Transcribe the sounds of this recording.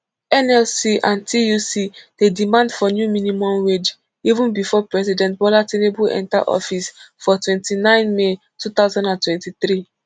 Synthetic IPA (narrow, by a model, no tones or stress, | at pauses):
ɛnɛlsiʔãntʰijusid̥edimãndfɔnjuminimɔ̃mwed͡ʒ | ivũnbifɔpɹɛsidɛ̃ntbɔlatenebuɛ̰̃nta̰ʔɔ̰fisfɔtwɛ̃ntinãɪ̃nme | tut̪aʊzãndãntwɛ̃ntit̪ɾi